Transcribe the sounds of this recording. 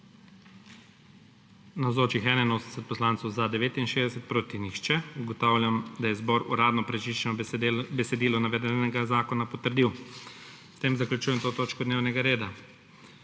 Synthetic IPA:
nawzoːt͡ʃixɛːnainoːsd̪esɛt̪̚pɔslaːntsɔwzad̪ɛʋeːt̪inʃeːzd̪ɛsɛt̪̚pɾoːt̪iniʃt͡ʃɛuɡɔt̪aːwlʲjamd̪ajɛzbɔɾṵɾaːd̪nɔpɾɛt͡ʃit͡ʃɛnɔbɛsɛd̪iːlɔnaʋɛd̪ɛnɛɡazaːkɔnapɔt̪əɾd̪iw | st̪eːmzaklʲut͡ʃuːjɛmt̪oːt̪oːt͡ʃkɔd̪neːwnɛɡaɾeːd̪a

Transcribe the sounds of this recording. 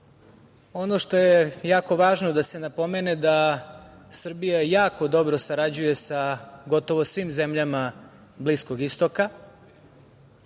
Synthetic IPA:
o̞noʂt̪o̞jejaːko̞ʋaːʒnod̪ase̞napo̞mened̪a | sr̩bijajaːko̞d̪o̞bɾo̞saɾad͡ʑuje̞saɡo̞t̪o̞ʋo̞sʋimze̞mʎama | blisko̞ɡist̪oka

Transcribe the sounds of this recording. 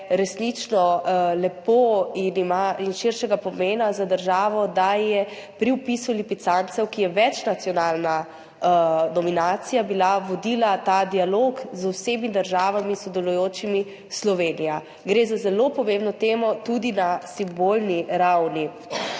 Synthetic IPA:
ɾɛsnit͡ʃnɔlɛpoinimainʃiɾʃɛɡapɔmeːnazad̪əɾʒaːʋɔd̪ajɛpɾiwpisulipit̪sant̪sɛwkijɛʋɛt͡ʃnat̪sijɔnalna | nɔminaːt̪sijabilaʋɔd̪ilat̪ad̪ialoːkzwseːmid̪əɾʒaːʋamisɔd̪ɛlujoːt͡ʃimi | slɔʋeːnija | ɡɾeːzazɛlopɔmẽmbnɔt̪eːmɔt̪ud̪inasimbolniɾawni

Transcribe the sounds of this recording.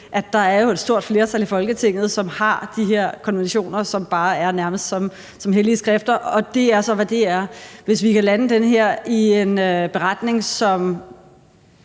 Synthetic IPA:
ʔæd̥ɑ̈æɐjo̝ed̥sd̥o̝ɐ̰d̥fle̝ːɐt͡sʰælifɒ̽lɡ̥ət͡sʰe̝ŋ̰ð̩ˠsɒ̽mhɑ̈d̥iɦeɐ̰kʰɒ̽nʋenɕo̝̰ːnɐsɒ̽mb̥ɑ̈ːæɐnæɐməsd̥sɒ̽m | sɒ̽mɦeliəsɡ̥ʁɛfd̥ɐɒ̽d̥e̝æɐsɒ̽ʋæd̥e̝æɐʋe̝s̬ʋikælænəd̥enəɦeɐ̰ie̝nøb̥e̝ʁɑd̥ne̝ŋsɒ̽m

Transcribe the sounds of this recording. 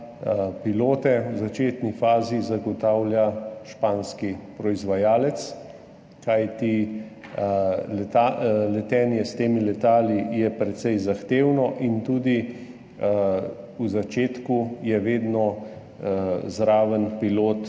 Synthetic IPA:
piloːt̪ɛwzat͡ʃeːt̪nifaːzizaɡɔt̪aːwljaʃpaːnskipɾɔizʋajaːlɛt̪s | kajt̪i | lɛalɛt̪ɛːnjɛst̪eːmilɛt̪aːlijɛpɾɛt̪sɛjzaxt̪eːwnɔʔint̪uːd̪i | uzat͡ʃeːt̪kujɛʋeːd̪nɔ | zɾaːʋənpiloːt̪

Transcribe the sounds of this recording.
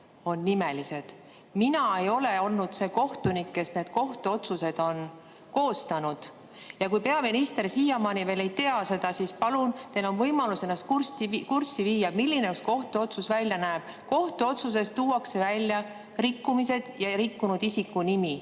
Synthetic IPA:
o̞nːime̞lise̞d̪̥ | minɑe̞jo̞le̞o̞lnud̪̥se̞ːko̞ht̪unikːe̞sne̞ːd̪̥ko̞ht̪uo̞t̪suse̞d̪̥o̞n | ko̞ːst̪ɑnud̪̥ | jɑkujpe̞ɑminist̪e̞rsiːjɑmɑːnive̞ːle̞jt̪e̞ɑse̞d̪̥ɑsispɑlunt̪eno̞nvɤjmɑluse̞nːɑst̪kurst̪ikursːiviːjɑmilːineosko̞ht̪uo̞t̪susvælʲjɑnæeb̥ | ko̞ht̪uo̞t̪sus̬e̞st̪uːwɑkse̞vælʲjɑ | rikːumise̞d̪̥jɑɾikːunud̪isikːunimi

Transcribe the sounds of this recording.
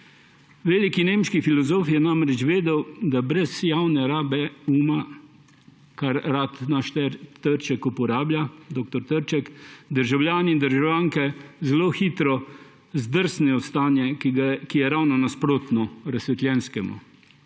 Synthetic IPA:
ʋeːlikineːmʃkifilɔzoːfjɛnamɾɛt͡ʃʋeːd̪ɛwd̪abɾɛzjawnɛɾaːbɛuːma | kaɾːaːt̪naʃt̪ɛɾt̪əɾt͡ʃɛkupɔɾaːblʲjad̪oːk̚t̪ɔɾt̪əɾt͡ʃɛkd̪əɾʒawljaːniind̪əɾʒawjaːŋkɛzɛloxit̪ɾɔ | zd̪əɾsnɛɔst̪aːnjɛɡakijɛɾawnɔnaspɾoːt̪nɔɾasʋɛt̪lʲjɛːnskɛmṵ

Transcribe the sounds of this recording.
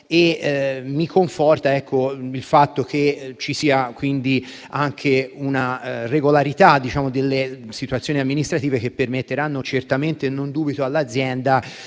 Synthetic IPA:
emːikoɱfɔrt̪aɛkːoilfat̪ːokʰet͡ʃisiːakwind̪i | aŋkʰeunareɡolaɾit̪ad̪ːit͡ʃaːmod̪elːesit̪uat̪sːjoːniamːinist̪ɾat̪iːvek̟epːermet̪ːeɾanːot͡ʃert̪ament̪enːond̪uːbit̪oalːad̪zjɛnd̪a

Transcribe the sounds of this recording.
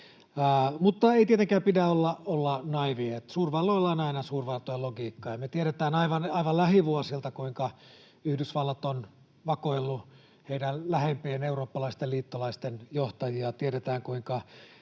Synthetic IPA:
mut̪ːɑeˑit̪iet̪eŋkæːmpidæolːɑolːɑnɑiʋiet̪suːrʋɑlːoilːɑinɑinɑsuːrʋɑrt̪ojɑloɡiːkːɑjɑmet̪ieɾet̪æːnɑiʋɑnɑiʋɑllæhiʋuɑsilt̪ɑkuiŋkɑ | yhdysʋɑlːɑt̪on | ʋɑkoilːu | heidællæhempeeneuroːpːɑlɑist̪eliːt̪ːolɑist̪enjoht̪ɑjiɑt̪ieɾet̪æːŋkuiŋkɑ

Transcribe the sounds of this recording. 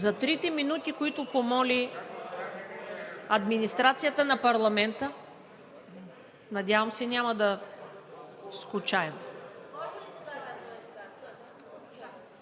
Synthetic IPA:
zɐt̪ɾit̪ɛminut̪ikoit̪ʊpomɔlʲi | ɐd̪minist̪ɾat̪sijət̪ənɐpɐɾlˠɐmɛnt̪ə | nɐd̪ʲjavɐmsɛnʲamɐd̪ɐ | skʊt͡ʃaɛm

